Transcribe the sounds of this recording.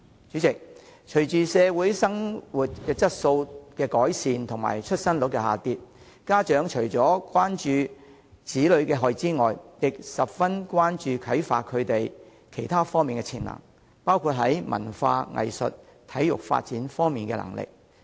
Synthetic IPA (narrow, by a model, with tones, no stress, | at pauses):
t͡ʃyː˨˥t͡sɪ˨k̚ | t͡ʃʰɵ˨˩ɥt͡ʃyː˨sɛː˨˧wuː˨˥jsɐ˥ŋwu˨t̚kɛː˧t͡sɐ˥t̚so˧wkɛː˧kɔː˨˥jsiː˨nt̪ʰʊ˨˩ŋma̰ː˨˩jt͡ʃʰɵ˥t̚sɐ˥nlʊ˨˥kːɛ˧ha̰ː˨t̪iː˨˧t̚ | kaː˥t͡ʃœː˨˥ŋt͡ʃʰɵ˨˩ɥt͡sɔː˨˥kwaː˥nt͡ʃyː˨˧ | t͡siː˨˥lɵ˨˧ɥkɛː˧ɦɔː˨˩jt͡siː˥ŋɔː˨jjɪ˨k̚sɐ˨p̚fɐ˥nkwaː˥nt͡ʃyː˨˧kʰɐ˨˥jfa̰ː˧t̚kʰɵ˨˧ɥt̪e˨j | kʰe˨˩jt̪ʰaː˥fɔː˥ŋmiː˨nkɛ˧t͡sʰɪ˨˩nlɐ̰˨˩ŋ | paː˥wkʰu˧t̚ɦɐ˨˥jmʔɐ̰˨˩nfa̰ː˧ŋɐ̰˨jsɵ̰˨t̚t̪ʰɐ˨˥jjʊ̰˨k̚fa̰ː˧t̚t͡siː˨˥nfɔː˥ŋmiː˨nkɛ̰ː˧lɐ̰˨˩ŋlɪ̰˨k̚